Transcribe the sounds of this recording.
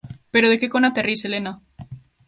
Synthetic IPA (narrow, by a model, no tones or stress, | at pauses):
peɾoð̞ekekonat̪eriselena